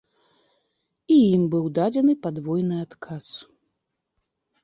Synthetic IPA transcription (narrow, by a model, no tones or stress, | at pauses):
ijimbɨwd̪ad͡zʲɛnɨpad̪vɔjnɨat̪kʰas